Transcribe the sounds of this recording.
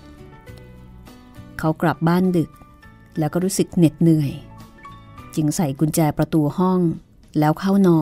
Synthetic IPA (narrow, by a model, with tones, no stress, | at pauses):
kʰa˦˥wkla˨˩p̚baː˥˩ndɯ˨˩k̚ | lɛː˦˥wkɔː˥˩ɾuː˦˥sɯ˨˩k̚ne˨˩t̪̚nɯ˨˩əj | t͡ɕɯ˧ŋsa˨˩˦jku˧nt͡ɕɛː˧jpɾa˧t̪u˧hɔ˥˩ŋ | lɛː˦˥wkʰa˥˩wnɔː˧